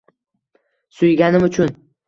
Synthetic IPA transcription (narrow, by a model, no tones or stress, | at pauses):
sʊjɡʲanɪmʊt͡ʃʰʊn